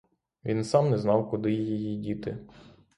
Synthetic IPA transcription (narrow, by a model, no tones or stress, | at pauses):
ʋʲinsɑmnɛznɑwkʊd̪ɪjijijidʲit̪ɪ